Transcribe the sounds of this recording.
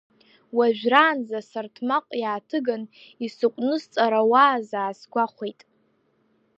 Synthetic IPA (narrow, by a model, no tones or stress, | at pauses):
waʒᶣʷraːnzasartʰmaqʷʼjaːtʰɨɡanisɨqʷʼnɨst͡sʼaɾawaːzaːsɡʷaχʷejtʼ